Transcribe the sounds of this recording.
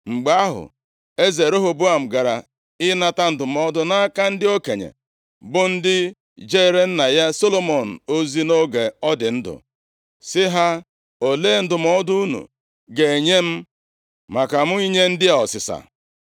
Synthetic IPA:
ŋ͡m̩˨ɡ͡ba˦a˦ɦʊ̰˨ | e˦ze˨ɾo˦ɦo˨bʊ˦a˨m̩˨ɡa˨ɾa̰˨ | ɪ˦na˦ta˦n̩˦dʊ˨m˨ɔ˦dʊ˦na˦ka˦n̩˦dɪ˦o˦ke˨ɲḛ˨ | bʊ˦n̩˦dɪ˦ | d͡ʒe˦˨ɾe˦n̩˦na˨ja˦so˦lo˦mɔ˨n̩˨o˦zi˦no˦ɡe˨ɔ˦dɪ˨n̩˦dʊ̰˨ | sɪ˦ɦa˦ | o˨leː˦˨n̩˦dʊ˨m̩ɔ˦dʊ˦u˦nṵ˨ | ɡe˨e˨ɲe˦m̩˦ | ma˨ka˨m̩˦i˦ɲe˦n̩˦dɪ˦ɔ˨sɪ˨sa̰˨

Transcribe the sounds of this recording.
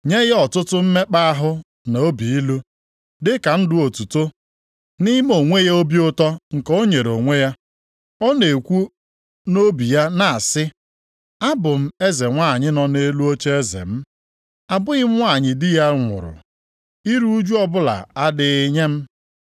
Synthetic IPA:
ɲe˦ɣɔ˨tʊ˦tʊ˦m̩˦me˦k͡pa˦a˦ɦʊ˦ | na˨o˦bi˨i˦lu˦ | dɪ˦ka˨n̩˦dʊ˦o˨tu˨to˦ | nɪ˦m˦o˨ŋʷe˦ja˦o˦bi˦ʊ˦tɔ˦ŋ̩˨ko˦ɲe˨ɾo˨ŋʷe˦ja˦ | ɔ˦ne˨kʷu˦ | no˦bi˨ja˦na˨a˨sɪ˦ | a˦bʊ˨m̩˦e˦ze˨ŋʷa˦˨ɲɪ˦nɔ˨ne˦lu˦o˦t͡ʃe˦e˦zḛ˨m̩˦ | a˨bʊ˦ɣɪ˦m̩˦ŋʷa˦˨ɲɪ˨dɪ˦ja˦ŋʷʊ̰˨ɾʊ̰˨ | i˦ɾu˦d͡ʒu˦ɔ˦bʊ˦la̰˨a˦dɪ˨ɪ˨ɲe˦m̩˦

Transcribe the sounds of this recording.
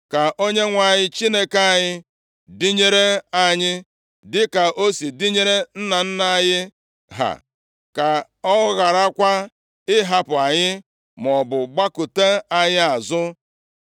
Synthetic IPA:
ka˨ʔo˦ɲe˦ŋʷa˨ɲɪ˦t͡ʃi˦ne˦ka˦˨ɲɪ˦ | di˦ɲe˦ɾe˦a˨ɲɪ˦ | dɪ˦ka˨ʔo˦si˨di˦ɲe˦ɾe˦n̩˦na˨n̩˦na˦˨ɲɪ˦ | ɦa̰˨ | ka˨ | ɔ˦ɣa˨ɾa˦kʷa˦ | ɪ˦ɦa˨pʊ˨a˨ɲɪ˦ | mɔ˨bʊ˨ɡ͡ba˦kʊ˨te˦a˨ɲɪ˦a˨zʊ˦

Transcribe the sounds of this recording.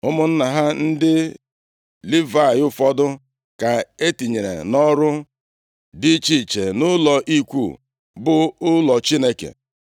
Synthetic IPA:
ʊ˦mʊ˦n̩˦na˨ɦa˦n̩˦dɪ˦ | li˦va˦˨jʊ˦fɔ˦dʊ˦ | ka˨e˦ti˨ɲe˨ɾḛ˨nɔ˦ɾʊ˦ | di˦t͡ʃi˦˨t͡ʃe˨nʊ˦lɔ˨ʔi˦kʷṵ˦˨ | bʊ˦ʊ˦lɔ˨t͡ʃi˦ne˦kḛ˨

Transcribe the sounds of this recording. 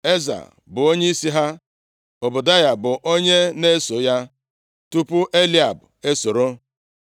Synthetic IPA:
e˦za̰˨ | bʊ˨o˦ɲe˦i˦si˦ɦa˦ | o˨bʊ˨da˦ja˦bʊ˨ʔo˦ɲe˦ne˦so˨ja˦ | tu˦pʊ˦ʔe˦li˦a˨bʊ˨e˦so˨ɾo˦

